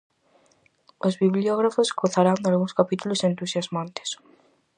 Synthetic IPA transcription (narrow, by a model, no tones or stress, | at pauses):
ozβiβlioɣɾafoskoθaɾand̪alɣũŋskapit̪ulʊsent̪usjazmãnt̪ɪ̥s